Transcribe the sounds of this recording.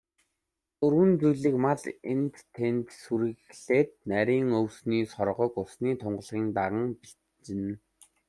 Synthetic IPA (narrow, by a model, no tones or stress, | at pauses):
t͡sɵɾwɘ̆nt͡sujɮĭːkmaɮent̪ʰːent̪suɾɘ̆ɣɮeːt̪̚næɾʲiːŋɵwsniːsɔrʁɞ̆kʊsniːt̪ʰʊɴɢ̆ɮʁiːnt̪aʁə̆ŋpiɬ | t͡ɕɪ̆n